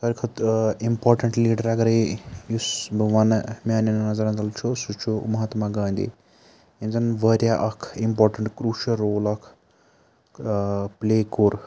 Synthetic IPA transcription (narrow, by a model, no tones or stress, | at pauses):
t̪ɐɾkʰɐt̪impoːɾʈɐɳʈliːʈɐɾaɡɐɾejusbʱɐʋanmaːninnɐzɐɾɐ̃nd͡zɐlt͡ʃʰusut͡ʃʰumɐɦɐt̪maɡɐːnd̪ḭ | ind͡zɐnʋɐɾʲjaʔɐkʰimpoːɾʈɐɳʈkɾuːʃɐlɾoːlɐkʰ | pleːkoːɾ